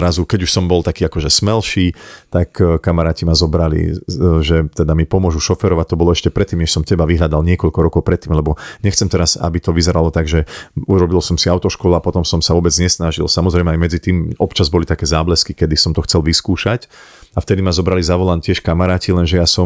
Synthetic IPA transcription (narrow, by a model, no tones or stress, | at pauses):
ɾazukɛɟuʃsɔmbɔlt̪akiːakɔʒɛsmɛlʃiːt̪akkamaɾaːcimazɔbɾalḭʒɛt̪ɛd̪amipɔmʊɔʒuʃɔfɛɾɔʋac̚t̪ɔbɔlɔɛʃcɛpɾɛt̪ːiːmɲɛʃsɔmcɛbaʋiɦʎad̪alɲɪɛkɔʎkɔɾɔkɔʊpɾɛt̪ːiːmlɛbɔɲɛxt͡sɛmt̪ɛɾasa̰bit̪ɔʋizɛɾalɔt̪aɡʒɛuɾɔbilsɔmsiaʊt̪ɔʃkɔlapɔt̪ɔmsɔmsaʋɔbɛd͡zɲɛsnaʒilsamɔzɾɛjmɛajmɛd͡zit̪iːmɔpt͡ʃazbɔlit̪akɛːzaːblɛskikɛd̪isɔmt̪ɔxt͡sɛlʋiskuːʃac | aft̪ɛd̪imazɔbɾalizaʋɔlancɪɛʃkamaɾaːcilɛnʒɛjasɔm